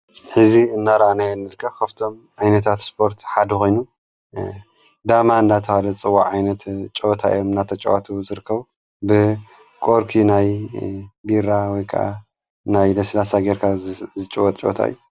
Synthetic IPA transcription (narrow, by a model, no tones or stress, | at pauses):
ħɨziɨnːaɾɐanajɛlmɨɾɨkʰːɐβkʰɐβt̪ʰo̞m | ʕajnɐt̪ʰat̪spʰo̞ɾt̪ħad̪ɨkʰo̞jnu | d̪amaɨnd̪at̪ʰɐwalɐt͡sʼɨwːaʕajnɐt̪t͡ʃʼot̪ʰaḭjomɨnːat̪ʰɐt͡ʃʼɐ̰wat̪ʰuzɨɾɨkʰːɐβu | bɨ | kʼoɾkʰinaj | biɾawɔjkʰɐ̰ʔa̰ | najd̪ɐslasaɡeɾkʰazɨt͡ʃʼowɐt̪ʼt͡ʃʼt̪ʰa̰ḭju